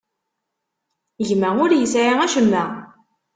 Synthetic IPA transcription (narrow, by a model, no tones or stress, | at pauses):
ʝmæʊɾjəsʕiæʃəmːæ